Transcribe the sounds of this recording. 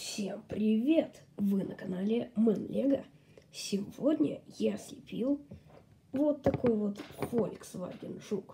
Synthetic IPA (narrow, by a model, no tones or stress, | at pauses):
fsʲempɾʲɪvʲet̪vɨnʔəkɐnalʲɪmɨnlʲeɡə | sʲɪvodʲnʲə̰jasʲlʲɪpʲilˠ | vot̪ːɐkojvot̪folʲksva̰ɡʲɪnʐuk